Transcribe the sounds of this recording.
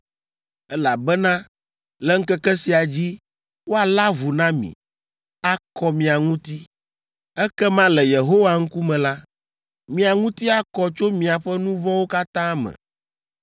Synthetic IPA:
ɛ˦la˨bɛ˦nã˦ | lɛ˦ŋ̩˦kɛ˦kɛ˦si˨a˨d͡ʑi˦ | wo˦a˨la˦vu˨nã˦mḭ̃˨ | a˦kɔ˦mĩ˨a˨ŋũ˦t̪i˦ | ɛ˦kɛ˦mã˦lɛ˨je˨ɦo˦wa˦ŋ̩˦ku˦mɛ̃˨la˦ | mĩ˨a˨ŋũ˦t̪i˦a˦kɔ˦t͡ʃo˦mĩ˨a˨ɸɛ˦nũ˦vɔ̃˦wo˦ka˦t̪ã˦mɛ̰̃˨

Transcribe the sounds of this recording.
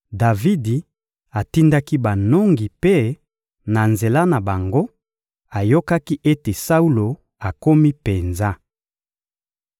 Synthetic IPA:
da˨vi˦di˨ | a˨ti˦nda˦ki˦ba˨no˦ŋɡi˨pe˦ | na˨nze˨la˦na˨ba˨ŋɡo˦ | a˨jo˦ka˦ki˦ʔe˦te˨sa˦u˦lo˨ | a˨ko˦mi˦pe˨nza˦

